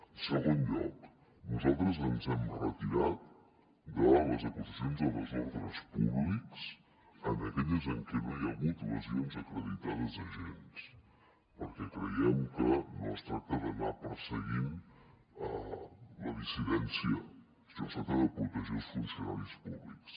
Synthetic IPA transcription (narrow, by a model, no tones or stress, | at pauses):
səɣonʎɔ̰k | nuzalˠt̪ɾəzənzɛmrət̪iɾat̪̚ | d̪ələzəkuzəsionzələzɔɾðɾəspuβliks | ənəkɛʎəzəŋkɛnojəɣut̪lə̰zionzəkɾəðit̪aðəzəʒens | pəɾkɛkɾəjɛmkəno̰st̪ɾak̚t̪əðənapəɾsəɣim | ələðisiðɛnsiə | sosat̪əðəpɾut̪əzosfunsijuna̰lispuβliks